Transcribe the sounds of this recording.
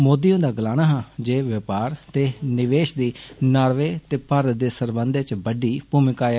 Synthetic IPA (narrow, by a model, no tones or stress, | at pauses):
moːd̪ijõːd̪aːɡəlaːñaːɦãːd͡ʒeːʋəpaːɾt̪eːnɪʋeːʃd̪iːnaːɾʋeːt̪eːpəɾd̪eːsəɾbənd̪t͡ʃbəɖiːpuːmɪkaː